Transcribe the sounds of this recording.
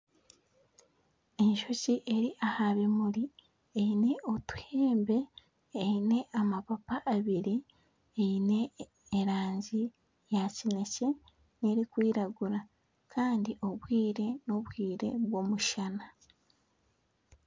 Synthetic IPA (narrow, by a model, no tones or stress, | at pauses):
e̞ɲʃo̞ciʔe̞ɾiʔahaβemuɾi | ejine̞otu̥heːmbe̞ː | ine̞ʔamapapaʔːβiɾi | eine̞ː | ɾaːɲzi | jacine̞ce̞ | ne̞ɾikwiːɾaɡuɾa | kʰaːndiʔo̞βwiːɾe̞no̞βwiːɾe̞̰βwo̞muʃana